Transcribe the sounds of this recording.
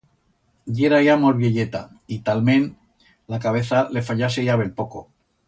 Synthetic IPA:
ɟ͡ʝeɾajamolβjeʎet̪a̰ | it̪almẽn | lakaβe̞θale̞faʎasejaβe̞lpoko

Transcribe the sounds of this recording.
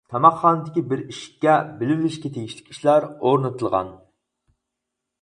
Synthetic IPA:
t̪ʰɑmɑqːɑːnɨd̪ɪkʲibɪɾiʃi̥kʲːɛbɪlɪɾlɪʃkʲɛt̪ʰeɡʲiʃlɪ̥kʲi̥ʃlæɾoɾnɨt̪ʰɨlˠʁɑ̰n

